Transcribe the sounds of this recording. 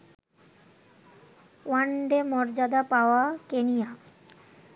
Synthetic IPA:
waɳɖemɔɾd͡ʑad̪apaoakenija

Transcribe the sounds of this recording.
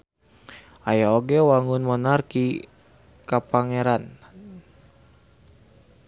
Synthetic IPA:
ʔajaoɡɛwaŋunmɔnarki | kapaŋɛɾan

